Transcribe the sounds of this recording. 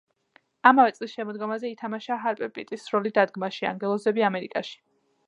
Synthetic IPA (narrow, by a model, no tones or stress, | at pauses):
amavɛt̪sʼlisʃɛmɔd̪ɡɔmazɛit̪ʰamaʃaːɦaɾpʼɛpʼit̪ʼisːɾɔlid̪ad̪ɡmaʃia̰ŋɡɛlˠɔzɛbiamɛɾikʼaʃi̥